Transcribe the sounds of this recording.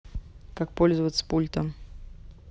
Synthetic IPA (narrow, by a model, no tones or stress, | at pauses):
kak̚polʲzəvət̪sə̥pulʲt̪əm